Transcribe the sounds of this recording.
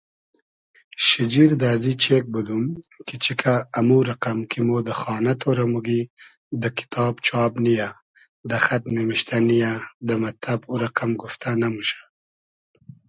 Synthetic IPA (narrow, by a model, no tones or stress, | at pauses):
ʃid͡ʒiɾd̪aːzit͡ʃek̚bud̪umkit͡ʃikʰaːmuɾaqamkʰimod̪əxɑːnat̪ʰoɾamuɡi | d̪əkɪ̥t̪ʰɑːbt͡ʃʰɑːbnija | d̪əxat̪memiʃt̪anijad̪əmat̪abuɾaqamɡuft̪ʰanamuʃḁ